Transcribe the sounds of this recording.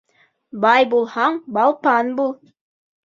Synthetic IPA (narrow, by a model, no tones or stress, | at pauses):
bɑjbulˠhɑɴbɑlˠpɑnbulˠ